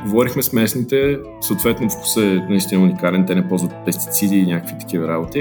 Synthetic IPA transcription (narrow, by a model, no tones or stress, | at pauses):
ɡovɔɾixmɛsmɛsnit̪ɛ | səot̪vɛt̪nofku̥sənɐist̪inəunikalɛnt̪ɛnɛpɔlˠzvət̪̚pɛst̪i̥t̪sid̪iːnʲjakəkvit̪ɐ̥k̟ivɐɾabot̪i